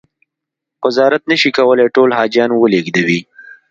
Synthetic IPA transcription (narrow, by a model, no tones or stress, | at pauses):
wazɑɾat̪̚nəʃikawəleʈolhɑd͡ʒjɑnwəleɡd̪awi